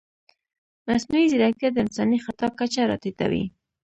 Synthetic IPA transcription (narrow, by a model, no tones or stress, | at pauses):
masnuizɪɾakad̪əɪnsɑnixat̪ɑkat͡ʃaɾɑ̰t̪it̪a̰wḭ